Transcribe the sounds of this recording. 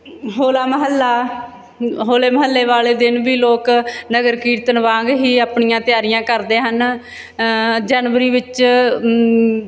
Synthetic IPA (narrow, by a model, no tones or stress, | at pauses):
ɦoːlaːməɦəlːaː | ɦoːleːməɦəlːeːʋaːleːd̪ɪnbiːloːknəɡəɾkiːɾt̪ənʋãːŋɡɦiːaːpɳɪjãːt̪ɪjaːɾɪjãːkəɾd̪eːɦən | d͡ʒaːnʋəɾiːʋɪt͡ʃ